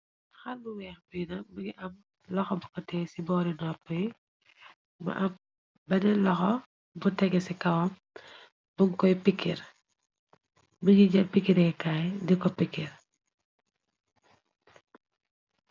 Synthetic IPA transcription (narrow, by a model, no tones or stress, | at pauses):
xɐlːuwɛːxbijnɐbuɡiʔɐm | lɔxɔbukɔtɛːsibɔːɾinɔpːɐj | bɐ̰ʔɐm | bɐnɛlɔxɔ | butɛɡɛsikɐwɐm | buŋkɔjpikːir | buɡiɟɐpikːiɾɛkaːjdikɔpikːir